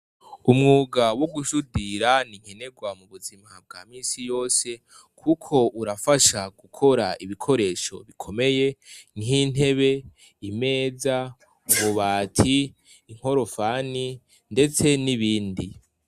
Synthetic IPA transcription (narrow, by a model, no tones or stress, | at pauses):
umŋuːɡawoɡuʃudiɾaniŋ̥he̞ne̞ɡwamuβuzimab̚ɡaːmiːsijo̞ːse̞ | kʰukʰo̞uɾafaʃaɡ̥ukʰo̞ɾaiβikʰo̞ɾe̞ːʃo̞̰βikʰo̞me̞je̞nin̥e̞βe̞ | ime̞ːza | uβuβaːtʰiː | ŋ̥ho̞ɾo̞faːni | nde̞t͡se̞niβiːndi